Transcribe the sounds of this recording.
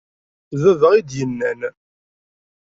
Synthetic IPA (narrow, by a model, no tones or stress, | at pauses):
ðæðəʁid̪jənːæn